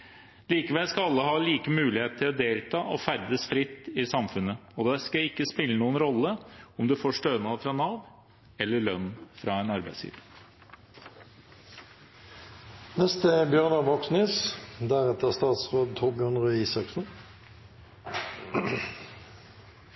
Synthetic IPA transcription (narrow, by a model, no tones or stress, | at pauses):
liːkəʋɛlskɑɑlːəɦɑːliːkəmʉːlɪheːt̪̚t̪ʰɪlɔd̪eːlt̪ʰɑːʔɔfæɾd̪əsfɾɪt̪ːɪsɑmfʉnːəɔd̪ɛskɑɪkːəspɪlːənuːənɾɔlːəɔmd̪ʉfoːʂʈøːənɑfɾɑnɑːʋ | ɛlːəɭœnːfɾɑɛnɑɾbæɪsjḭːʋə | nɛst̪əbjœʁnəʋɔksnisd̪æʁɛt̪əʁst̪ɑːt̪sʁoːd̪̚t̪ʰɔʁbjœʁnʁʉiːsɑksn̩